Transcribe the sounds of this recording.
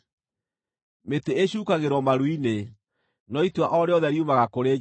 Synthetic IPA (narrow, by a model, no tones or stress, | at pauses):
meteeɕuːkaɣeɾwɔmaɾwine | nɔitwaʔɔɾeɔðɛɾiumaɣakoɾe